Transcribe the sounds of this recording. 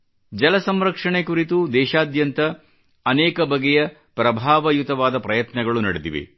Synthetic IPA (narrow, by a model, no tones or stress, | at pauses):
d͡ʒɐlɐsɐmɾɐkʂɐɳekuɾit̪ud̪ɛːʃaːd̪jɐnt̪ɐː | nɛːkɐbʱɐɡɛjɐ | pɾɐbʱaːʋɐjut̪ɐʋaːd̪ɐpɾɐjɐt̪nɐɡɐɭunɐ̰ɽed̪ḭʋḛ